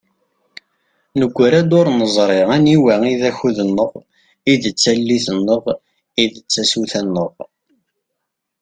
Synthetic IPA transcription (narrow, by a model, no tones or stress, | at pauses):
nəɡʷːɾæd̪oɾˤnəzˤɾˤɪæniwæiðæçuðənːəʁ | iðət͡sːælːiθənːəʁ | iðət͡sːæsuθænːəʁˤ